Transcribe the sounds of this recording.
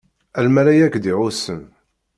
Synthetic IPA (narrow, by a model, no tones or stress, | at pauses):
ælmælæjækːd̪iʕʊsəm